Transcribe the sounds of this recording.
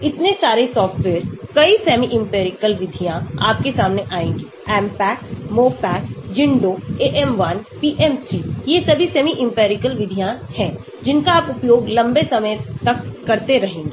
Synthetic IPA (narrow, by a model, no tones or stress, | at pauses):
ɪt̪nesaːɾesɔːfʈʋeːəɾskɐisɛːmiʔɪ̃mpeːɾɪkəlʋɪd̪ʱijãa̰ːp̚kesaːmneʔaːẽːŋɡi | ɛːmpɛːkmoːpɛːkd͡ʒɪ̃ɳɖoeːʔɛmʋɐnpiːʔɛmt̪ʰɾiːjesɐbʱisɛːmiʔɪ̃mpeːɾɪkəlʋɪd̪ʱijãhɛ̃ː | d͡ʒɪnkaːpʊpjoːɡlɐ̃mbesɐməjt̪ɐkːɐɾt̪eɾɐɦẽːŋɡe